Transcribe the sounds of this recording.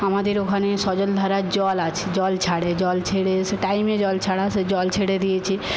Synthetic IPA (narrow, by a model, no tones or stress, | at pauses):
amad̪eɾokʰanesɔd͡ʒəld̪ʱaɾad͡ʒɔlat͡ʃʰid͡ʒɔlt͡ʃʰaɽed͡ʒɔlt͡ʃʰeɽeseʈaimed͡ʒɔlt͡ʃʰaɽased͡ʒɔlt͡ʃʰeɽed̪ijet͡ʃʰi